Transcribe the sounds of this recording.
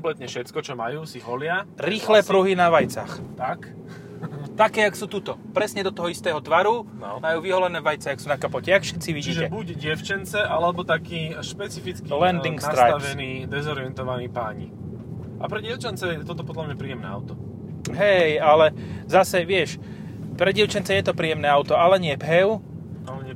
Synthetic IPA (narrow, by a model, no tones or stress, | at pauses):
ɔmplɛt̪ɲɛfʃɛt͡skɔt͡ʃɔmajuːsiɦɔlɪaɾiːxlɛːpɾuɦinaʋajt͡sa̰ːxt̪ak | t̪akɛːaksuːt̪uːt̪ɔpɾɛsɲɛd̪ɔt̪ɔɦɔist̪ɛːɦɔt̪ʋaɾunɔ̰majuːʋiɦɔlɛnɛːʋajt͡sɛaksuːnakapɔcɛakfʃɛt̪t͡siʋiɟiːʒɛɛbuɟɟɛʊt͡ʃɛnt͡sɛʔalɛbɔt̪akiːʃpɛt͡sifit͡skilɛnd̪iŋksaɾajaʋɛniːd̪ɛzɔɾiɛnt̪ɔʋaniːpaːɲḭ | ʔapɾɛɟɪɛʊt͡ʃant͡sɛjɛt̪ɔt̪ɔpɔd̪lamɲapɾiːɛmnɛ̰a̰ʊt̪ɔ | ɦɛjalɛzasɛʋɪɛʃ | pɾɛɟɪɛʊt͡ʃant͡sɛjɛt̪ɔpɾiːjɛmnɛːaʊt̪ɔalɛɲɪɛpɦɛʊ | alɛɲɛ